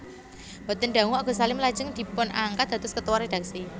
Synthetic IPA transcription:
bat̪ənɖa̤ŋuaɡ̥o̤salɪmlḁd͡ʒəŋd̪̥i̤pʊnʔaŋkat̪̚d̪̥at̪ʊskət̪uwared̪̥a̤ksi

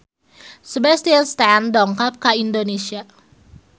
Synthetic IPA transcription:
səbɛst̪iəlst̪andɔŋkap̚kaindonesia

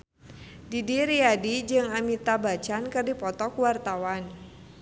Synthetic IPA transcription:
didiɾiadid͡ʒɨŋamit̪abat͡ʃankɨrdipɔt̪ɔkuwart̪awan

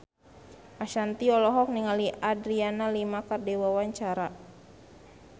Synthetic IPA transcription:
ʔaʃant̪iɔlɔɦɔk̚niŋaliʔadɾianalimakardewawaɲt͡ʃaɾa

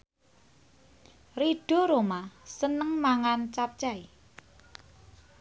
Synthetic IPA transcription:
riɖ̥ɔ̤ɾomasənəŋmaŋant͡ʃap̚t͡ʃai

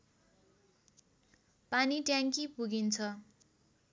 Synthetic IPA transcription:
paniʈjaŋkipuɡint͡sʰʌ

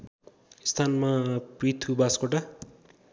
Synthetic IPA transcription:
st̪ʰanmaprit̪ʰubaskoʈa

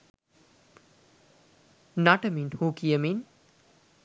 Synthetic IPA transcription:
naʈəminhuːkijəmin

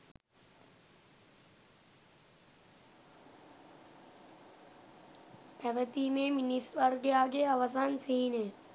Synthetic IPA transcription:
pɛʋət̪imeminisʋəɾɡejaːɡeaʋəsansiɦine

